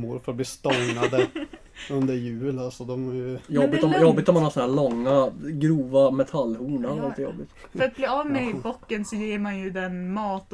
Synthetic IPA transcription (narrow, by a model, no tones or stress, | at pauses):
ʊɾfœɾat̪̚bliːst̪ɔŋnad̪ə | ɵnd̪əɾjʉ̟ːlalsɔd̪ɔmæjɵjɔbːɪt̪ɔjɔbːɪt̪ːɔmanhasɔnæːɭɔŋːaɡɾuːvamɛt̪ʰalːhuːnaɾalɪɪt̪əjɔ̰bːɪt̪ɾat̪̚bliːɑvmɛɪbɔkːənsɔjeːɾmanjɵd̪ɛnmɑːt̪